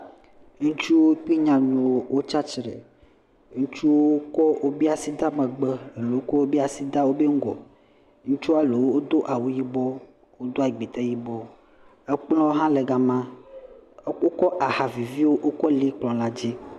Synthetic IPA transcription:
ŋũ˦t͡ʃu˦wo˦k͡pi˦ɲã˨nũ˨wo˦˨wʔo˦t͡ʃa˦t͡ʃɾɛ̰˨ | ŋũ˦t͡ʃu˦wo˦kɔ˦wo˦bi˦a˨si˦d̪a˦mẽ˨ɡ͡bɛ˦e˨le˨wo˦kɔ˦wo˦bi˦a˨si˦d̪a˦wo˦be˦ŋ̩˦ɡɔ̰˨ | ŋũ˦t͡ʃu˦a˨le˨wo˦wo˦d̪o˦ʔa˨wu˦ji˦bɔ˦ | wo˦d̪o˦a˨i˨ɡ͡bi˨t̪ɛ˦ji˦bɔ˦ | e˦k͡plɔ˦wo˦ɦã˦le˨ɡa˨mã˦ | e˦k͡po˦kɔ˦ʔa˨ha˨vi˨vi˦wo˦ʔo˦kɔ˦li˦k͡plɔ̃˨la˦d͡ʑi˦

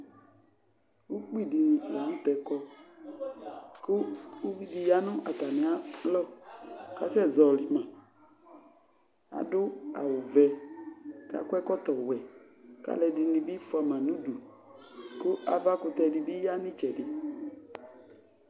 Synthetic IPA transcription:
u˦k͡pi˦˨di˨n˨la˨˦nʊ̃˦t̪ɛ˨kɔ˦ | kʊ˦u˦vi˦di˨ja˦nʊ̃˦ʔa˨t̪a˨nɪ̃˨a˦lɔ˦˨ka˦sɛ˦˨zɔ˨lɪ˨mã˨ | a̰˨dʊ˦a̰˨wʊ˨vɛ˨ | ka̰˦kwɛ˦kɔ˦t̪ɔ˨wɛ˨ | ka̰˦lɛ˨dɪ˨nɪ̃˨bi˦fa˨mã˨nũ˦du˨ | kʊ˦a˨va˦kʊ˨t̪ɛ˨dɪ˨bi˦ja˦nɪ̃˦t͡ʃɛ˨dɪ˨

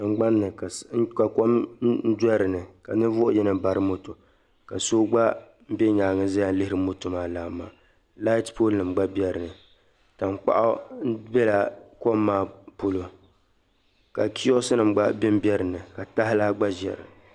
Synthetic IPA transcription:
nɨ˨ɡ͡ba˦nːɨ˨ka˨˦ka˨ko˦m˦n̩˦dɛ˦ɾɨ˨nɨ˨ka˨nɨ˦vʊ˦ʔʊ˦jɛ˦nɨ˨ba˨ɾɨ˦mo˦to˨ | ka˨so˦ɡ͡ba˦ | m̩˦bɛ˦ɲaː˨ŋɨ˦za˦ja˦n˦lɨ˦hɪ˦ɾɨ˨mo˦to˨maː˦˨laː˨mːaː˨ | la˦ɪ˦tpʰo˦lnɨ˨mɡ͡ba˦bjɛ˦ɾɨ˨nɨ˨ | ta˨m˦k͡pa̰˦ʔa̰˦bɛ˦la˨ko˦mːaː˦˨po˦lo˨ | ka˨kʰi˦ɔ˦sɨ˦nɨ˨mɡ͡ba˦bɪ˦m˦bjɛ˦ɾɨ˨nɨ˨ka˨ta˦ɦɪ˦la˦ɡ͡ba˦ʒɛ̰˨ɾɨ̰˨

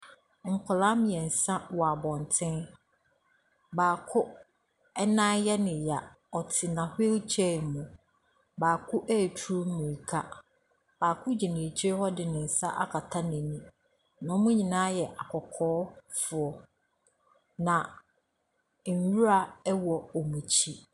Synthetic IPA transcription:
ŋ̩˨kʰʊ˨lã˦mɪ̃˨ɛ˨n̩˨sã˦wɔ˨a˨bɔ̃˨ntʰɪ̃˦n | baː˨kʰʊ˦ | ɛ˦nã˦jɛ˦nɪ̃˨ja˨ | ɔ˨tʰɪ˨nã˨he˦lt͡ɕʰɛ˦˨mũ˨ | baː˨kʰʊ˦ʔæ˦˨tʰu˦ɾu˦m̩˦mĩ˨i˨kʰa˦ | b̥aː˨kʰʊ˦d͡ʑi˨nɪ̃˨t͡ɕʰhɔ˦dɪ˨nɪ̃˨n̩˨sa˦ʔa˦kʰa˨tʰa˦nɛ̃˨nũ˦ | nɔ̃˨˦mʊ̃˦ɲĩ˨nãː˦jɛ˨ʔa˨kʰɔ˨kʰɔː˦fʊ˨ɔ˨ | nã˨ | wu˦ɾa˨˦wɔ˨ɔ˨mũ˨t͡ɕʰi˦

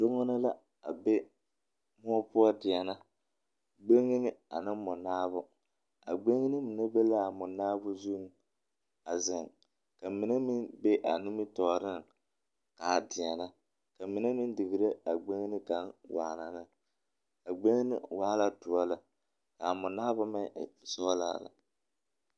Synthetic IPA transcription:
do˦ŋɔ˦nɨ˦la˦ | a˨be˦ | mɔ˦ɔ˦pʊ˦ɔ˦dɪ˨a˨na˦ | ɡ͡be˦ŋi˦nɪ˦a˨nɨ˦mʊ˨naː˦βʊ˦ | a˨ɡ͡be˦ŋi˦nɨ˦mɪ˨nɛ˦be˦la˦˨mʊ˨naː˦bʊ˦zu˦ŋ˦ | a˨zɪ˨ŋ | ka˨mɪ˨nɛ˦mi˦nbe˦ʔa˨nu˦mi˦tɔ˨ɾɪ˦ŋ | ka˨dɪ˨a˨na˦ | ka˨mi˨na˦mɪ˦n˦dɪ˨ɡɨ˨ɾe˦a˨ɡ͡be˦ŋ˦nɨ˦ka˦nwa̰ː˨˦˨la˨nɨ˦ | a˨ɡ͡be˦ŋi˦nḭ˦waː˦la˦tʊ˨a˦la˨ | ka˨mʊ˨naː˦bʊ˦ma˦˨sɔ˦la̰ː˦˨la̰˨

